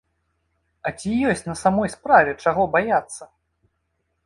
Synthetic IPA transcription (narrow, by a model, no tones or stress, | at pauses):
ɐt͡sʲijɔsʲt͡sʲnɐsamɔjspɾavʲɛt͡ʂaɣɔbajat̪sːɐ